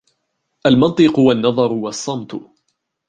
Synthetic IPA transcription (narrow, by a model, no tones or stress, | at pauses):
ʔalmɑnt̪ˤɨqʊwanːɑðˤɑɾˤʊwɑsˤːɑmt̪ʊ